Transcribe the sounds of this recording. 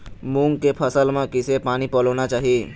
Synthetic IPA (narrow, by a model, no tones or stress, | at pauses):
mũŋɡkepʰəsəlmãkɪsepaːnipɔləʋnat͡ʃaːɦie